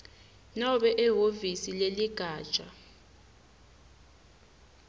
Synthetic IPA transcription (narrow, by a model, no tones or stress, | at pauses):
naɓɛʔɛɦovisileliɡ̥ʱḁːt͡ʃʼa